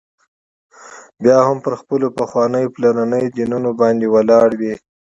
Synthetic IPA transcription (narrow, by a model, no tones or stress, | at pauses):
bjɑhampəɾxpəlopaxwɑnəjplananəjd͡ʒinunobɑnd̪ewalɑɽwi